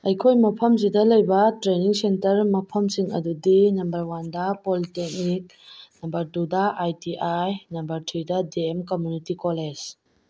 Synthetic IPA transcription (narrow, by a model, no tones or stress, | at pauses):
ɐjkʰojmɐpʰɐmzidɐlɐjbɐtɾeniŋsentɐɾmɐpʰɐmsiŋɐ̰dudinɐmbɐɾwandɐpolitek̚nik̚ | nɐmbɐɾtudɐʔajtiʔajnɐmbɐɾtʰɾidɐdeemkomjunitikoled͡ʒ